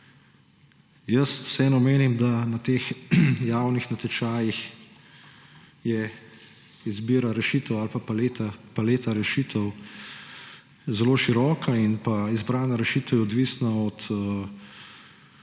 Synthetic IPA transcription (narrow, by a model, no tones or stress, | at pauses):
jəst̪sɛːnɔmeːnimd̪anat̪eːxjaːwnixnɐt̪ɛt͡ʃaːjix | jɛ | izbiːɾaɾɛʃit̪əwalpapaleːt̪apaleːt̪aɾɛʃiːt̪əw | zɛloːʃiɾɔːkʰainpaizbɾaːnaɾɛʃit̪ɛwjɛɔd̪ʋiːsnaɔt̪ə